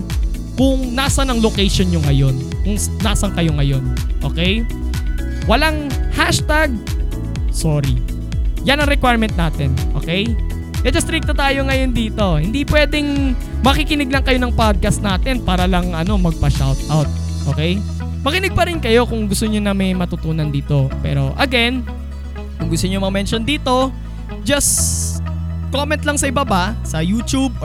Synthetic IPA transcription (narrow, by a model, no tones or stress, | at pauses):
kʊŋnaːsɐnɐŋlokɛjʃonɲoŋɐjo̞nkʊŋnaːsɐŋkɐjo̞ŋɐjo̞nʔo̞̰ːkɛj | wɐlaŋhaʃt̪aɡ̚ | soːɾḭ | jɐnɐŋɾɛkwajɹmɛnt̪̚naːt̪ɛnʔoːkɛj | ʔɛd̪ɐst̪ɾik̚t̪ɐt̪aːjo̞ŋɐjo̞nd̪iːt̪o̞hɪnd̪ipwɛːd̪ɛŋ | mɐkikɪnɪɡ̚lɐŋkɐjo̞nɐŋpad̪̚kɐst̪naːt̪ɛnpaːɾɐlɐŋʔɐno̞mɐɡ̚pɐʃa̰wt̪̚ʔawt̪̚ | ʔoːkɛj | mɐkɪnɪɡ̚pɐɾɪnkɐjo̞kʊŋɡʊst̪oɲonɐmɐjmɐt̪ʊt̪uːnɐnd̪iːt̪o̞pɛ̰ːɾo̞̰ʔɐɡɛn | kʊŋɡʊst̪oɲomɐɐmɛnʃond̪iːt̪o̞ | d͡ʒɐs | komɛ̃nt̪lɐŋsɐʔɪbabasɐjuːt͡ʃub̚